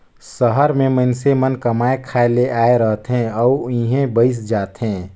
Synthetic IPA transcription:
səɦəɾmẽmənsemənkəmaːekʰaːeleʔaːeɾəɦt̪ɦɛ̃ɔːĩɦẽbəɪs̬d͡ʒaːt̪ɦɛ̃ː

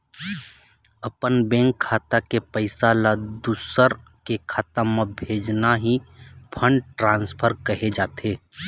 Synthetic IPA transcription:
ɐpənbɛ̃ːŋkʰːaːt̪akepəɪsalad̪usəɾ | kekʰaːt̪ãmãbʱeːd͡ʒnaɦipʰə̃ɳɖʈɾãːnspʰəɾkɐɦed͡ʒaːt̪eː

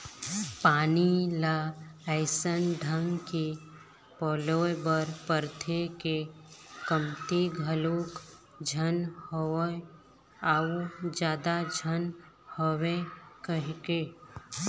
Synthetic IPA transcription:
paːnilaəɪsənɖʱəŋɡki | pɔːloːjbəɾpəɾt̪ʰekekəmt̪iɡʱəluːk | d͡ʒʱənho | ad͡ʒjaːd̪ad͡ʒʱən | howekəɦke

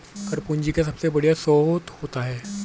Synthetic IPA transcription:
kɐɾpund͡ʒikas̬ɐbsebɐɽ̤ijasɔːt̪hoːt̪aɦɛː

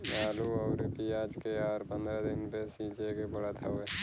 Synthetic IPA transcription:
laːluɔʊɾpiaːd͡ʒkeaːɾpɐ̃nd̪ɾad̪ɪnpesĩːt͡ʃekebɐɽat̪ʰaoɛ

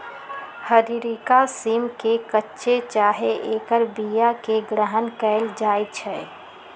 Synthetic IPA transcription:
həɾiɾikasiːmkekətːʃet͡ʃaːɦeʔeːkəɾbijakeɡɾəɦənkɛɪld͡ʒaːjt͡ʃʰɛː

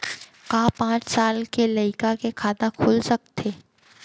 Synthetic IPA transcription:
kãːpãːt͡ʃsaːlkelɐɪkakekʰaːd̪akʰʊlsɐk̚t̪ʰeː

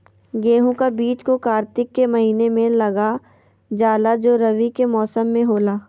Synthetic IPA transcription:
ɡeːɦũkabiːt͡ʃkokaːɾt̪ɪkːemɐɦiːnemẽlɐɡa | d͡ʒaːlad͡ʒoːɾɐʋikemɔːsəmːẽɦoːlaː

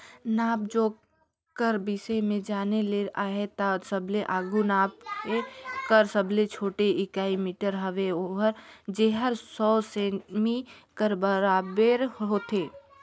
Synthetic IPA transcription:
naːbd͡ʒoː | kəɾbisemẽd͡ʒaːneleʔaːɦet̪asəbleʔaːɡʱunaːb̚kekəɾsəblet͡ʃʰoːʈeɪkaːimiːʈəɾɦɐʋeoɦəɾd͡ʒeɦəɾsɔːsemikəɾbəɾaːbəɾɦoːt̪eː

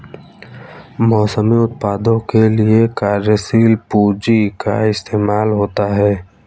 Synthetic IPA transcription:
mɔːsəmiʊt̪̚paːd̪õkeliekaːɾjəsiːlpuːd͡ʒika̰ɪst̪eːmaːlɦoːt̪aɦɛː

